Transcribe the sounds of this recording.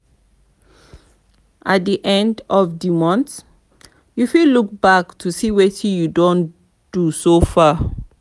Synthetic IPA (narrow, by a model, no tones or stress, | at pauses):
ʔat̚diʔɛ̃ndɔvdimɔ̃nt | jufiluk̚baktʰusiwetʰĩjudõn | d̥usofa